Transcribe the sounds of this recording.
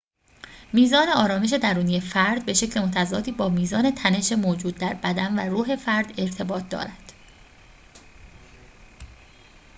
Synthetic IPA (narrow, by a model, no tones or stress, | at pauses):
miːzɒːne̞ɒːɾɒːme̞ʃ̬e̞d̪æɾuːnije̞fæɾd̪̚be̞ʃe̞cʰlemot̪ʰæzɒ̰ːd̪iːbɒːmiːzɒːne̞t̪ʰæne̞ʃe̞moːd͡ʒuːd̪̚ːæɾbæd̪ænværuːɦe̞fæɾd̪e̞ɾt̪ʰe̞bɒːt̪̚ʰd̪ɒ̰ːɾæd̪̥